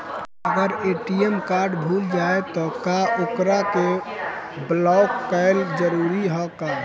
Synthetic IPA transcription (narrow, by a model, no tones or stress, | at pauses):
əɡəɾeʈiemkaɾɖbʱuld͡ʒaet̪ɔkaʔokɾake | blɔkːəɪld͡ʒəɾuɾiɦɔka